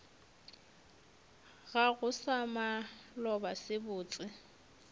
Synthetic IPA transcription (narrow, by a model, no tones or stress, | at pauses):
ɣaɣʊsamalɔbasɪbʊːt͡sʼɪ